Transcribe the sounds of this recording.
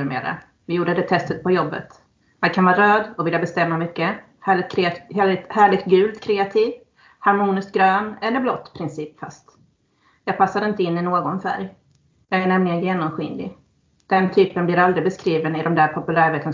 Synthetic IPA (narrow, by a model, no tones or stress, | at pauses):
mḛːɾa̰ | vɪjuːɖəd̪ɛt̪ʰɛst̪ət̪̚pʰɔjɔbːə̰t̪ | mankʰanvɑːɾøːd̪ɔvɪljabɛst̪ɛmːamʏkːə | hæɪkʰɾhhæːɭɪk̚t̪̚ɡʉ̟ːlt̪kʰɾɛːat̪ʰiːv | haɾmuːnɪst̪̚ɡɾøːnɛlːəɾblɔt̪ːpʰɾɪnsiːpfa̰st̪ | jɑːɡ̚pʰasːad̪ɪnt̪əɪnːɪnoːɡɔnfæ̰ɾj | jɑːɡæɳɛmlɪɡənjeːnɔmɧɪnd̪ɪ̰ | d̪̥ɛnt̪ʰyːpənblɪɾald̪ɾɪbɛskɾiːvənɪd̪ɔmd̪æːɾpʰɔpɵlæːɾveːt̪ʰən